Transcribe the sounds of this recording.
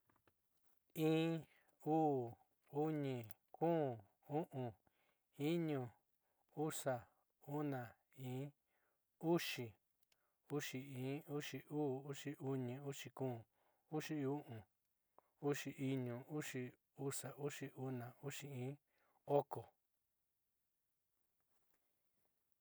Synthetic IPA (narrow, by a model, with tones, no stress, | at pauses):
ĩː˦ | uː˦˨ | u˦ɲĩ˧˨ | kũː˦˨ | u˦ʔũ˨ | i˦ɲũ˧˨ | u˦sa˨ | u˦nã˨ | ĩː˦ | u˦ʂi˨ | u˦ʂi˧ĩ˨˦u˦ʂi˧uː˦˨u˦ʂi˧ʔu˧ɲĩ˧u˦ʂi˧kũː˦˨ | u˦ʂi˦˧u˦ʔũ˨ | u˦ʂi˧ʔi˧ɲũ˨u˦ʂi˧ | u˦ʂa˨ʔu˦ʂi˧u˦nã˨u˦ʂi˧ĩː˦ | o˦ko˨